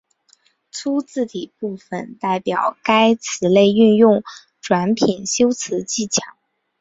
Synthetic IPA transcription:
t͡sʰu˥t͡sɹ̩˥˩t̪i˨˩pu˥˩fə̰˧˩nt̪a˥˩ɪpjɑ˨˩ʊka˥ɪt͡sʰɹ̩˧˥le˥˧ɪy˥˧njʊ˥˩ŋ | ʈ͡ʂwa˧˥npʰi˨˩nɕjo˥ʊt͡sʰɹ̩˧˥t͡ɕi˥˩t͡ɕʰjɑ˧˥˦ŋ

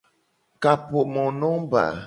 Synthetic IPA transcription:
ka˨po˨ʔmɔ˨nɔ˦m˦ba̰˨

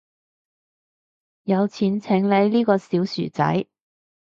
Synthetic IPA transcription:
jɐ˨˧wt͡sʰiː˨˥nt͡sʰɪ˨˥ŋle˨˧jliː˥kɔː˧si˨˥wsy̰ː˨˩t͡sɐ̰˨˥j

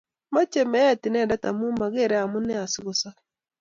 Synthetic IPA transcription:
ma˦t͡ʃe˨mɛ˦a˦˨tɪ˨nɛ˦˨da˦ta̰˨mu˦ma˨ɣe˦˨ɾe˦a˨mʊ˦nɛ˦a˨sɪ˦ɣʊ˦sa˦

